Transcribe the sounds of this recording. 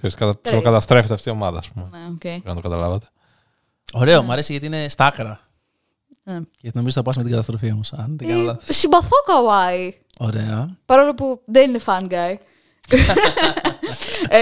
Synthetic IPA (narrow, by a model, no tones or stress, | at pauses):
kseɾiskɐt̪elokɐt̪ɐst̪ɾefit̪eɐft̪io̞mɐðɐ̰ːspumeneocejnɐt̪okɐt̪ɐlɐ̰vɐt̪e̥ | o̞ɾe̞omɐɾesiʝɐt̪iine̞st̪ɐkɾɐ | necnoizoθɐpɐsmet̪iɡɐt̪ɐst̪ɾo̞fiomosɐnt̪ɐɐlɐsibɐθokɐwɐi | o̞ɾe̞ɐpɐɾolopuðeninefɐnɡɐj